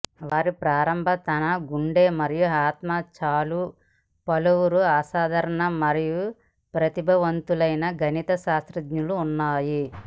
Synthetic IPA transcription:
ʋaːɾipɾaːɾɐmbʱɐt̪ɐnɐɡuɳɖeːmɐɾijuaːt̪maːt͡ʃaːlu | pɐluwuɾuaːsaːd̪ʱɐɾɐɳɐmɐɾiju | pɾɐt̪ibʱɐʋɐnt̪ulɐjnɐɡʱɐnit̪ɐʃaːsɾɐd̪ɲuluːnːaːji

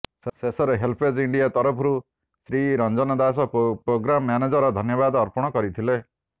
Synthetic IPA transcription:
sesɔɾeɦelpʰed͡ʒiɳɖijat̪ɔɾɔpʰɾu | sɾiɾɔnd͡ʒɔnɔd̪asɔpɾoɡɾamɔːjaned͡ʒɔɾɔd̪ʱɔnjɔbad̪ːɾpɔɽ̃ɔkɔɾit̪ʰile

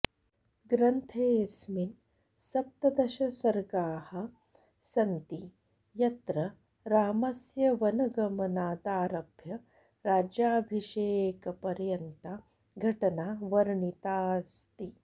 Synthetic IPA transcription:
ɡɾɐnt̪ʰeːsmin | sɐp̚t̪ɐd̪ɐʃɐsɐɾɡaːhɐ̆ | sɐnt̪i | jɐt̪ɾɐ | ɾaːmɐsjɐʋɐnɐɡɐmɐnaːd̪aːɾɐbʱjɐ | ɾaːd͡ʒjaːbʱiʃeːkɐpɐɾjɐnt̪a | ɡʱɐʈɐnaːʋɐɾɳit̪aːst̪i

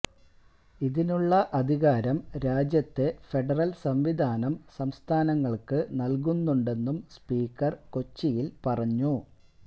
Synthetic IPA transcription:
iðinuɭːɐʔɐd̪ʱiɣaːɾɐmɾaːd͡ʑjɐt̪ːe̞fe̞ɖɐrɐlsɐmʋid̪ʱaːnɐmsɐmst̪ʰaːnɐŋːɐɭkɨnɐlk̬unːuɳɖe̞nːumspiːkːɐrko̞t͡ɕːijilpɐrɐɲːu

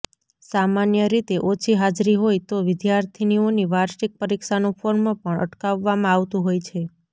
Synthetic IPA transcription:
samanjəɾit̪eʔot͡ʃʰiɦad͡ʒɾiɦojt̪oʋɪd̪jaɾt̪ʰinioniʋaɾʃik̚pəɾikʃanũpʰoɾmãpəɳʔə̰ʈkaʋːamãaʋt̪ũɦojt͡ʃʰe

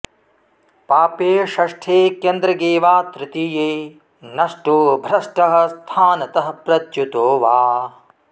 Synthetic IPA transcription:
paːpeːʃɐʂʈʰeːkeːnd̪ɾɐɡeːʋaːt̪ɾɪt̪ijeː | nɐʂʈubʱɾɐʂʈɐɦɐ̆st̪ʰaːnɐt̪ɐɦɐpɾɐt̪jut̪oːʋaː

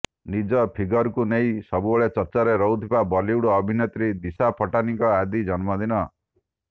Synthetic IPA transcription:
nid͡ʒɔpʰiɡɔɾkunej̃sɔbubɔɭet͡ʃɔɾt͡ʃaɾeɾɔwt̪ʰibabɔliwɽɔːbʱinet̪ɾid̪isapʰɔʈanikɔad̪id͡ʒɔnmɔd̪inɔ

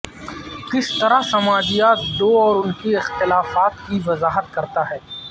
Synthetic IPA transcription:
kɪst̪ɐɾasɐmaːd͡ʒijaːt̪d̪oːɔːɾʊnkiɪxt̪ɪlaːfaːt̪kiʋɐzaːɦət̪̚kɐɾt̪aɦɛː

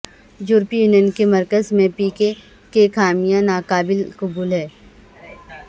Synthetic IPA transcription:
juːɾpijuːnjənkemɐɾkəzmẽpiːke | kekaːmijãnaːkaːbɪlkʊbuːlɦɛː

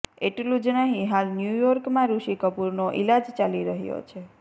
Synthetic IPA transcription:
eʈlũd͡ʒnaɦĩɦalnjujɔɾkmãɾuʃikəpuɾnoʔḭlad͡ʒt͡ʃaliɾəɦjo̰t͡ʃʰe

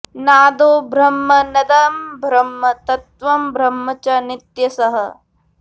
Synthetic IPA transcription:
naːd̪oːbʱɾɐmːɐnɐd̪ɐmbʱɾɐmːɐt̪ɐt̪̚ʋɐmbʱɾɐmːɐt͡ʃɐnɪt̪jɐsɐɦɐ

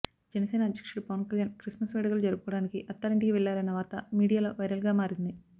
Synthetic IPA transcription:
d͡ʒɛnɐseːnɐːd̪ʱjɐkʂuɭupɐʋɐnkɐljaːnkɾismɐsʋɛːɽɐɡɐlud͡ʒɐɾuɡukɔːɐɽaːnikiʔɐt̪ːaːlɐɳʈikiʋɛɭːaːɾɐnːɐʋaːɾt̪ɐmiːɽijaːloːʋɐjɾɐlɡaːmaːɾind̪i

